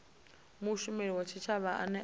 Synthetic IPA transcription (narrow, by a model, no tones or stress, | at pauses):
muʃumeliwat͡ʃʰit͡ʃʰaβaʔa̰nɛ